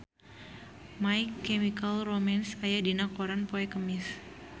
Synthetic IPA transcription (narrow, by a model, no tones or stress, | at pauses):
majkːɛmikalromansajadinakoɾanpoɛkəmɪs